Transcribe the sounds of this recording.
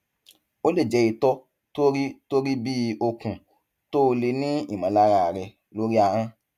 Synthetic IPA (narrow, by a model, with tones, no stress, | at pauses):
o˦le˦˨d͡ʒɛ˨˧i˧tɔ˦ | to˦ɾi˦to˦ɾi˦bi˦o˧kũ˨ | to˦˧le˧nĩ˦ḭ˦˨mã˨˦la˦ɾa˧a˨ɾɛ˧ | lo˦ɾi˦a˧ɾã˦